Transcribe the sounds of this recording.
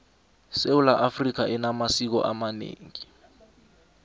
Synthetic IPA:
seulaʔafrik̬aʔɛnamasik̬ɔ̰ʔamanḛːŋi

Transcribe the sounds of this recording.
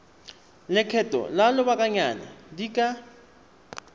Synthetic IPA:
lɛkʰɛtʼɔ̰lalɔbakʼaɲana̰diːkʼa

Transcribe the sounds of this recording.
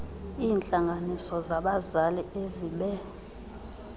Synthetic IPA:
iːnt͡ɬʼaŋɡʱanisɔzaɓazalieziɓɛ

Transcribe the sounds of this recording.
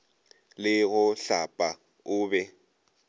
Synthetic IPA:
lɪɣʊɬapʼa | ʊːbɛ

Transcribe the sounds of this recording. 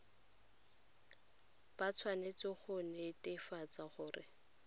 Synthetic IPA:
b̥at͡sʰwanet͡sɪχʊnetɪfat͡saχʊːrɪ̰

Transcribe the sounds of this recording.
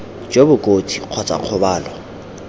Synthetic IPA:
d͡ʒebʊkʼot͡sʰʼiq͡χʰɔt͡sʼa̰q͡χʰʊbaːlɔ

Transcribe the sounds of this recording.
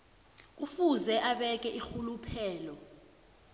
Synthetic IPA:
k̬ufuzɛʔaɓɛk̬ɛʔixulupʰɛːlɔ

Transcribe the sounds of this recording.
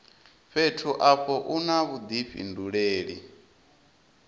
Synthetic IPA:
ɸetʰuʔaɸɔʔunaβud̪iɸḭnduɺeːɺi

